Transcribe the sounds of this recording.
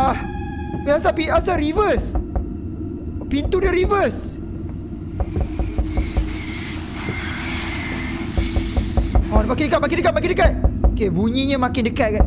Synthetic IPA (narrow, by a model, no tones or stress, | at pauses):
ah | piasapiasaɾivəs | pint̪udiaɾivəs | ɔdmakɪndəkat̪̚mak̬ɪndəkat̪̚makɪndəkat̪̚okebuɲĩɲãmãkɪndəkat̪̚ka